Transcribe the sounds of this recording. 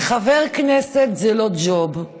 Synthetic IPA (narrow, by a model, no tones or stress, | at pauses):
χaveʁkneset̪zelod͡ʒob